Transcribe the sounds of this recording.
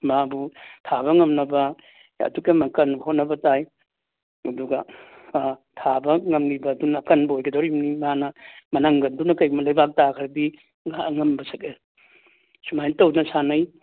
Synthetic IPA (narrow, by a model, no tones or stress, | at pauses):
maabutʰabɐŋɐmnɐbɐ | ɐ̰tukemɐkɐnbɐhotnɐbɐtaj | ɐduɡɐ | tʰabɐŋɐmlibɐːdunɐkɐnbɐojɡʰedowɾimnimɦanɐmɐnɐŋɡɐndunɐkɐjɡumɐlɐjbak̚takʰɐɾdi | ŋaŋɐmbɐsɐke | sumajnitɐwnɐsanɐj